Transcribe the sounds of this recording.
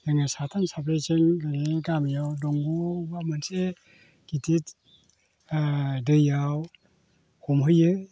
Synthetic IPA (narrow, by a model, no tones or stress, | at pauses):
jaŋasatʰansapɾet͡ʃɯnɡaneɡamjawdɔŋɡɔbamanse | kitʰit | dɯjaw | humɦɯjɯ